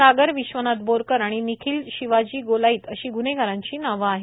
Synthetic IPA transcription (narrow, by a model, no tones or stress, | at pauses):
aɡəɾʋiɕʋənat̪̚boɾkəɾaɽ̃inikʰiːlɕiʋad͡ʑiːɡolaiːt̪əɕiːɡuneɡʱəɾãɲt͡ɕiːnaʋəːɦe